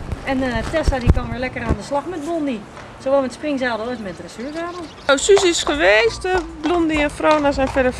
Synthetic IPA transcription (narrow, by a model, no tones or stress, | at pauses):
ɛntɛsadikɔnʋɪəlɛkəɾaːndəslaxmɛt̚blɔndi | soʋɔlˠmɛtsprɪŋsaːdəojtmɛtrəsyəzaːdə | osysɪsxəʋeːstəblondiɛnfroːnas̬ɛjnfɛdə